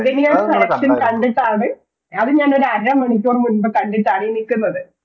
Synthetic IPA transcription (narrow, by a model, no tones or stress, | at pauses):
ðɐnijɐɽɐkɐlɐkʂɐnkɐɳɖit̪ːaːɽɨ | ɐðɨɲaːno̞ɾuɐɾɐmɐɳipʲːoːrmunbɐkɐɳɖitːaːɽijnikʲːunːɐðɨ